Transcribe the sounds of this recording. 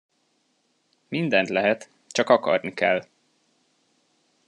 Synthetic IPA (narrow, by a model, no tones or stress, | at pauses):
mind̪ɛnt̪lɛɦɛt̪ | t͡ʃɒkɒkɒ̰rnikɛ̰lː